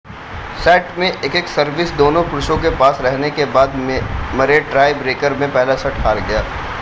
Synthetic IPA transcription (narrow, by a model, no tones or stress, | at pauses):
sɛːʈmẽʔeːkeksɐɾʋɪsd̪oːnõkɾʊʃõk̬epaːsɾɛɦnekebaːd̪mɐɾeʈɾaːɪbɾeːkəɾmẽpɛɦlasɐʈɦaːɾɡɐjaː